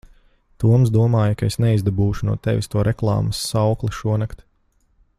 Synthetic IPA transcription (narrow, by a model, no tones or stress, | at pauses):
t̪uɔmzd̪uɔmaːjɐkaesnɛizd̪abuːʃunuɔt̪ɛʋist̪uɔɾɛklˠɑ̰ːmɐsːawklˠiʃuɔnakt̪